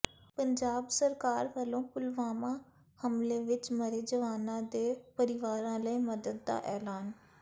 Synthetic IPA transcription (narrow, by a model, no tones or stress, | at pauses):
pəɲd͡ʒaːbsəɾkaːɾʋəlõːpʊlʋaːmãː | həmleːʋɪt͡ʃməɾeːd͡ʒəʋaːnãːd̪eːpəɾɪʋaːɾãːləiːməd̪əd̪̚d̪a̰ːʔɛːlaːn